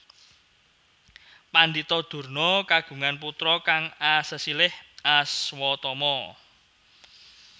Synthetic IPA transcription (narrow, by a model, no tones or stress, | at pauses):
pand̪it̪ɔd̪̥ṳrnɔkaɡ̥ṳŋanput̪ɾɔkaŋasəsilɪhaswɔt̪ɔmɔ